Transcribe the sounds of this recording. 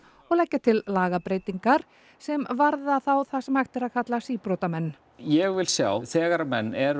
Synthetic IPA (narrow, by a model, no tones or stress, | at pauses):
ɔɣlɛhcːat̪ʰɪlːaːɣapɾeːjt̪iŋkaɾ̥ | sɛmvaɾðaθawθasɛmajxt̪ɛɾaðkʰat̪lasiːpɾowt̪amɛnː | jɛɣvɪlsja̰wθɛːɣaɾamɛnːɛɾ